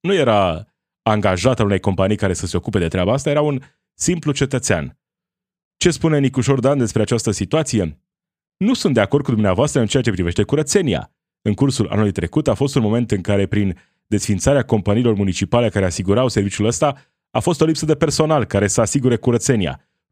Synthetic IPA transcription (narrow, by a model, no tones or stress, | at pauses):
nujeɾa | aŋɡaʒat̪aune̞jko̞mpanijkaɾe̞səse̞o̞kupe̞d̪e̞t̪ɾeabaast̪aje̞ɾaun | simplut͡ʃe̞t̪ət̪sea̰n | t͡ʃe̞spune̞nikuʃo̞rd̪and̪e̞spɾeat͡ʃast̪əsit̪uat̪sije̞ | nusunt̪d̪e̞akord̪kud̪umneavoast̪ɾəɨnt͡ʃe̞at͡ʃe̞pɾive̞ʃt̪e̞kuɾət̪se̞nia̰ | ɨŋkursula̰nuluijt̪ɾe̞kut̪afo̞st̪unmo̞me̞nt̪ɨŋkaɾe̞pɾin | d̪e̞sfint̪saɾeako̞mpaniːlo̞rmunit͡ʃipale̞kaɾe̞asiɡuɾawse̞rvit͡ʃuləst̪a | afo̞st̪o̞lipsəd̪e̞pe̞rso̞nalkaɾe̞səasiɡuɾe̞kuɾət̪se̞nia̰